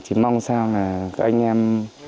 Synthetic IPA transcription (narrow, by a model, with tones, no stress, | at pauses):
t͡ɕi˨˩ma˧wŋsaː˧ŋaː˨˩kʔa̰˧jŋʔɛ˧m